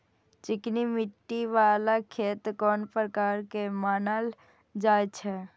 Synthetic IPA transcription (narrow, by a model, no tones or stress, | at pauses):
t͡ʃɪknimɪʈːiʋaːlakʰeːt̪kɔːnpɾəkaːɾkemaːnal | d͡ʒaːt͡ʃʰɛ